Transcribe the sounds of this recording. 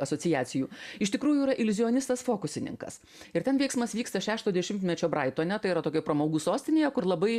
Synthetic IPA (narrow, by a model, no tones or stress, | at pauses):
ɐsoːt͡s̪sʲɪjæːsʲɪjuːɪʃt̪ʲɪkɾuːjuiːɾɐʔɪlʲʊzʲɪoːnʲɪst̪ɐsfoːkʊsʲɪnʲɪ̰ŋkɐ̰s | ɪɾt̪ʲɛnʋʲɛɪksmɐsʋʲiːkst̪ɐʃʲæːʃt̪oːd̪ʲɛʃʲɪmt̪ʲmʲɛt͡ʃʲoːbɾɐɪt̪oːɐnʲɛt̪ɐɪiɾɐt̪oːkʲɛpɾɐmɐʊɡuːsoːsʲt̪ʲɪnʲeːjɛkʊɾlˠɐbɐɪ